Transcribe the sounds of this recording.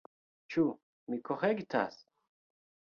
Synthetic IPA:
t͡ʃʰu | mikʰoχeɡit̪ʰa̰s

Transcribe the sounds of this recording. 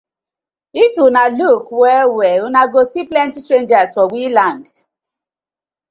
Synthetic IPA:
ifjunalukwɛwɛwunaɡosiplɛ̃ntistɹẽnd͡ʒasfɔwilãnd

